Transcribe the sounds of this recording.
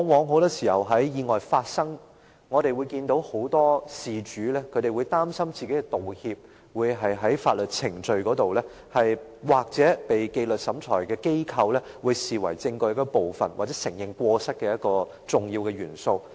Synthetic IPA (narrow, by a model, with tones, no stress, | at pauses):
ŋwɔː˨˧ŋɦo˨˥wt̪ɔː˥siː˨˩hɐ˨wɦɐ˨˥jjiː˨˧ŋɔː˨jfaː˧t̚sɐ˥ŋ | ŋɔː˨˧ɾe˨jwu˨˧jkiː˧nt̪o˨˥who˨˥wt̪ɔː˥siː˨t͡ʃyː˨˥lɛ˥kʰɵ˨˧ɥɾe˨jwu˨˧jt̪aː˥msɐ˥mt͡si˨ke˨˥jkɛ˧t̪o˨whiː˧p̚ | wuː˨˧jɦɐ˨jɦɐ˨˥jfaː˧t̚lɵ˨t̚t͡sʰɪ˨˩ŋt͡ʃɵ˧ɥkɔː˨˥t̪o˨wlɛː˥ | hɐ˨jwaː˨˩k̚t͡sɛ˨˥pe˨jke˧jlɵ˨t̚sɐ˨˥mt͡sʰɔ̰ː˨˩jkɛː˧ke˥jkʰɐ˧wlɛː˥ | wuː˨˧jsiː˨wɐ˨˩jt͡sɪ˧ŋkɔː˧jɐ˥kːɔ˧po˨wfɐ̰˨˩nwaː˨t͡sɛː˨˥sɪ˨˩ŋjɪ˨ŋkʷɔː˧sɐ˥t̚kɛː˧jɐ˥t̚kɔː˧ | t͡sʊ˨ŋjiː˧wkɛː˧ɥyː˨˩nso˧w